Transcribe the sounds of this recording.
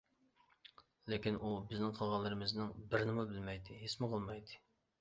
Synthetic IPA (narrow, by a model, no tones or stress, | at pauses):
lekʲinubɪznɪŋqʰəlˠʁɑlˠːɨɾɨmɪznɪŋbɪɾnɪmubɪlmɛjd̪ɨɦesmɨqʰəlˠmɑjd̪ɨ